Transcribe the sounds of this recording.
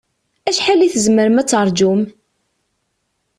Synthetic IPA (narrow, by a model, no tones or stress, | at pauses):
æʃħalːiθəzməɾəmæt͡sːəɾˤd͡ʒum